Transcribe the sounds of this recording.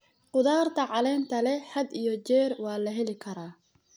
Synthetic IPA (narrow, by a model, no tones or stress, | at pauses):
qʊðaːrt̪ʰɐʕɑlɛːnt̪ʰɐlɛħɐd̪ijɔt͡ʃɛːrwɑːlɐɦɛlɪkʰɐɾaː